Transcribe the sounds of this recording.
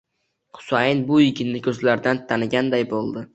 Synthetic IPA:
qʰʊ̥sajɪnbʊɪkʰʲɪnːɪkʲʰɵzlaɾd̪ant̪ʰanɪɡʲand̪ajbolˠd̪ɪ

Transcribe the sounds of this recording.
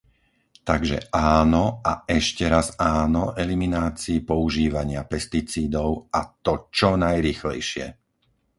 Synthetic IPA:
t̪aɡʒɛ̰ʔaːnɔaɛʃcɛɾazaːnɔʔɛliminaːt͡siːpɔuʒiːʋaɲɪapɛst̪it͡siːd̪ɔʊat̪ɔt͡ʃɔnajɾiːxlɛ̰jʃɪɛ̰

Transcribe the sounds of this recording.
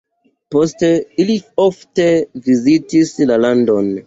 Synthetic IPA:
poste̞iliofte̞vizitislalando̞n

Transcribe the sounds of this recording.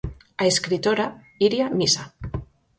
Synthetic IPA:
aeskɾit̪oɾa | iɾjamisa

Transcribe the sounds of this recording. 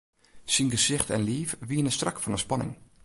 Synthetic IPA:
sinɡəzɪχtɛ̰nliːfʋiənəstrɑkfɑnənspɑnɪ̰ŋ

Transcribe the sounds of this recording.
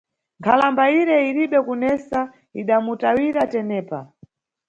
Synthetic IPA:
ŋkʰalambaiɾɛiɾiɓɛkunɛsa | iɗamutawiɾatɛnɛːpa

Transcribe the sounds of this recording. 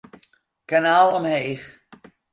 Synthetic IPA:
kanaːlˠɔmhejχ

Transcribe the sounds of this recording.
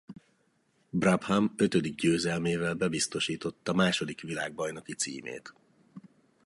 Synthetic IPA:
braphamø̞t̪ød̪iɡ̚ɟøːzɛlmeːvɛlbɛbist̪o̞ʃiːt̪o̞t̪ːɒmaːʃo̞d̪ikʋilaːɡ̚bɒjnokit̪sḭːmḛːt̪

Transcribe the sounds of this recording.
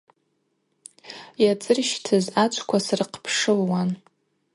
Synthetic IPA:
jat͡sʼɨrʃtʰɨzat͡ʃʷʰʼkʷʰasrɨqʰpʰʂɨlwan

